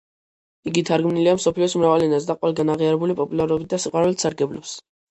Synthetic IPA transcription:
iɡit̪ʰaɾɡmniliamsɔpʰliɔsumɾavalɛnazd̪aqʼwɛlˠɡanaʁiaɾɛbulipʼɔpʼulˠaɾɔbit̪̚d̪asiqʼwaɾulɛt̪saɾɡɛblɔps

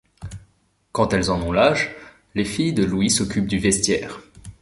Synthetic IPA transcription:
kɑ̃t̪ɛlzɑ̃nɔ̃laʒ | lefijd̪əlwisɔkʲʰyp̚d̪yvɛst̪jɛːʁ

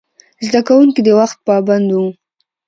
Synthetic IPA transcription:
zd̪akawuŋkid̪əwaxt̪̚pɑband̪u

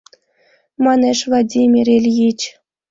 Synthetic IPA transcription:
mɑneʂvˠadʲimʲirʲelʲjit͡ɕ

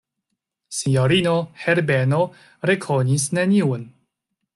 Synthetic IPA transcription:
sinoɾinoheɾbeno | ɾekʰonisneniun

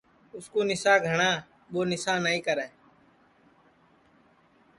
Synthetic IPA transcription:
ʊskoːnɪsaːɡʱəɳaː | ɓoːnɪsaːnəːĩːkəɾɛː

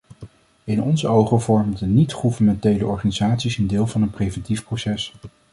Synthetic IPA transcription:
ɪnɔnzəowχəvɔɹmdənitχuvəmɛntejləʔɔɹχaːnizaːtsisɪndɪːlˠvɑnənprejvɛntifprowsɛs

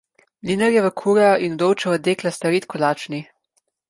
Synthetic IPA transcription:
linəɾjɛʋəkʰuːɾajɔʔinud̪owt͡ʃɛɔd̪eːklast̪aɾiːt̪kʰɔlaːt͡ʃni

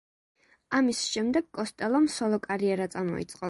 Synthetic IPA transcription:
amisʃɛmd̪ɛɡ̥kʼɔst̪ʼɛlˠɔmsɔlˠɔkʼaɾiɛɾat̪sʼamɔ̰ḭt̪sʼqʼɔ

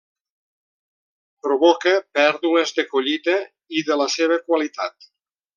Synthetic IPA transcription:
pɾoβɔkəpɛɾðuləzðəkoʎit̪ə | iðələseβ̞əkwalit̪a̰t̪̚

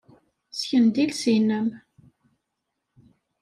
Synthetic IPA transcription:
sçənd̪ilsinːəm

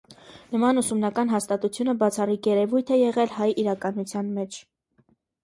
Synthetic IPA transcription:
nəmɑnusumnɑkɑn̪ɦɑst̪ɑt̪ut͡sʰjunəbɑt͡sʰɑrikjɛɾɛvujt̪ʰɛjɛʁɛlhɑjiɾɑkɑnut͡sʰjɑnmɛt͡ʃʰ

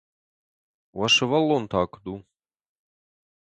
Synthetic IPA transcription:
waʂɨvalːont̪ʰaːkʷʰd̪u

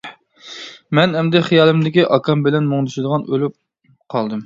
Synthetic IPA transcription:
mɛnhɛmd̪ɛχijɑːlˠɨmd̪ɪkʲiʔɑkʰɑmbɪlɛnmoŋd̪ɨʃɪd̪əʁɑnʔølyp̚ | qʰɑlˠd̪ɨm

